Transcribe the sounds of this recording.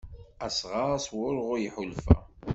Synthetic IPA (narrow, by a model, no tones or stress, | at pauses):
æsʁaæswʊɾʁʊɾjiħʊlfæ̰